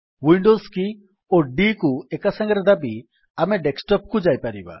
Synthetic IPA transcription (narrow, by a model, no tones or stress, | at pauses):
wiɳɖoski | oɖikuɛkasãŋɡɾɛd̪abi | amɛɖeksʈɔp̚kud͡ʒajpaɾiba̰